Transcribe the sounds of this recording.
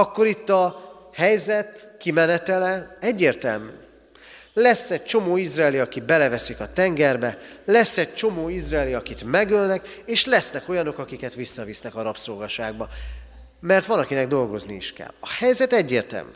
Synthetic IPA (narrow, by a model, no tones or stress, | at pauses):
ɒkːo̞ɾit̪ːɒ | hɛjzɛt̪kimɛnɛt̪ɛlɛɛɟːeːrt̪ɛ̰lmyː | lɛsːɛɟ̚t͡ʃo̞moːizraːliɒkibɛlɛvɛsikɒt̪ɛŋɡɛrbɛlɛsːɛɟ̚t͡ʃo̞moːizraːliɒkit̪mɛɡølnɛk | eːʃlɛsnɛko̞jɒno̞kɒkikɛt̪ʋisːɒvisnɛkɒɾɒpsolɡɒʃaːɡ̚bɒ | mɛrt̪ʋɒnɒkinɛɡ̚d̪o̞lɡo̞zniiʃkɛ̰lɒhɛjzɛt̪ɛɟːeːrt̪ɛ̰lmy̰